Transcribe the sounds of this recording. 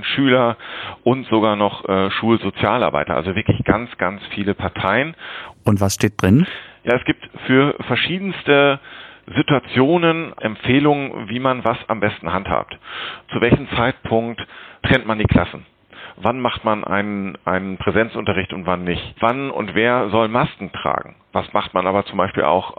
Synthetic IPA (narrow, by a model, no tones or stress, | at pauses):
ʃyːlɐʔʊntz̥oɡaːɐnɔχʔɛʃuːlzot͡sjaːlʔa̰ɐba̰ɪtɐ̰ʔa̰lzovɪɐklɪçɡ̥a̰nt͡sɡ̥a̰nt͡sfiːləpʰaɐtʰaɪənʔʊntv̥asʃteːt̚d̥ʁɪnjaːɛsɡ̥iːp̚tfyːɐfɛɐʃiːdn̩stə | zituat͡sjoːnənʔɛ̰mfeːlʊŋənviːmanvasa̰mbɛstn̩hantha̰ːp̚tt͡suvɛlçm̩t͡saɪt̚pʰʊŋkttːʁ̥ɛntmandiːkʰl̥asn̩ | vanmaχtmanʔa̰ɪnənʔa̰ɪnənpʁ̥ɛzɛnt͡sʔʊntɐʁ̞ɪçtʊntv̥anːɪçvanʊ̰ntv̥eːɐzɔlmaskŋ̩tʁ̥a̰ːɡŋ̩vasmaχtmanʔaːbɐt͡sʊmbaɪʃpḭːlʔa̰ʊx